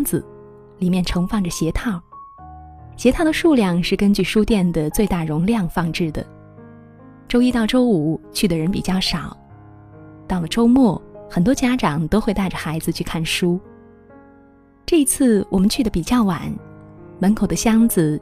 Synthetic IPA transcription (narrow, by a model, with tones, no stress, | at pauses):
ŋd͡zɹ̩̰˩ | li˨˩mjɛ˥˩nʈ͡ʂʰɤ˧˥ŋfɑ˥˩ŋʈ͡ʂə˩ɕjɛ˧˥t̪ʰɑ˥˩ʊ | ɕjɛ˧˥t̪ʰɑ˥˩ʊd̪ə˩ʂu˥˧ljɑ˥˧ŋʂɻ̩˥˩kə˥nt͡ɕy˥˩ʂu˥t̪jɛ˥˩nd̪ə˩t͡swe˥˧ɪt̪a˥˩ɻʊ˧˥ŋljɑ˥˧ŋfɑ˥˧ŋʈ͡ʂɻ̩˥˩d̪ə̰˩ | ʈ͡ʂo˥ʊi˥t̪ɑ˥˩ʊʈ͡ʂo˥ʊu˨˩˦t͡ɕʰy˥˩d̪ə˩ɻə˧˥npḭ˨˩t͡ɕjɑ˥˩ʊʂɑ˨˩˦ʊ | t̪ɑ˥˩ʊlə˩ʈ͡ʂo˥ʊmwɔ˥˩xə˨˩nt̪wɔ˥t͡ɕja˥ʈ͡ʂɑ˨˩ŋt̪o˥ʊxwe˥˧ɪt̪a˥˩ɪʈ͡ʂə˩xa˧˥ɪd͡zɹ̩˧t͡ɕʰy˥˧kʰa˥˩nʂu˥ | ʈ͡ʂɤ˥˩i˧˥t͡sʰɹ̩˥˩wʔɔ˨˩mə˦nt͡ɕʰy˥˩d̪ə˩pi˨˩t͡ɕjɑ˥˩ʊwa˨˩˦nmə˧˥nkʰo˨˩ʊd̪ə˦ɕjɑ˥ŋd͡zɹ̩˨˩